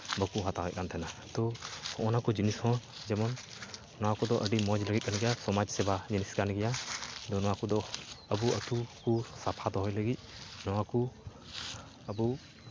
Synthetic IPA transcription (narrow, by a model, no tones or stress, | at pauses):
bəkuɦat̪akɛ̰c̚kant̪ʰɛnat̪ɔhɔʔɔnakɔd͡ʒinishɔ̃d͡ʒɛmɔnː | ɔwakɔd̪ɔʔəɖimɔd͡ʒləɡit̪̚kanɡɛjasɔmad͡ʒsɛbad͡ʒiniskanɡɛjad̪ɔnɔwakɔd̪ɔəbuət̪ukusapʰad̪ɔɦɔjləɡit̪̚ˀnɔwaku | əbu